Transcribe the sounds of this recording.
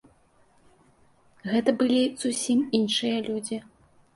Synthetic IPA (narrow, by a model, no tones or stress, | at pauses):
ɣɛt̪ɐbɨlʲiz̥usʲiminʂɨjɐlʲud͡zʲi